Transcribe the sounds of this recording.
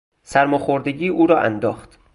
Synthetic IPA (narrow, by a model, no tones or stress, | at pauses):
sæɾmoxoɾd̪eɟiːʔuːɾɒːʔæ̰nd̪ɒ̰ːxt̪